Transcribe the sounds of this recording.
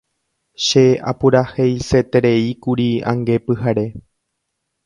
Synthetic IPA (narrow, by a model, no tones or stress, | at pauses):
ʃe̞a̰puɾahejse̞t̪eɾe̞ikuɾiã̰ŋɡe̞pɨhaɾe̞